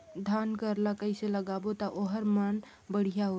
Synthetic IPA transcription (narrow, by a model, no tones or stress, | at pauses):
d̪ʱankəɾlakəɪseləɡabot̪aʔoɦəɾmən | bəɽ̤ijaɦo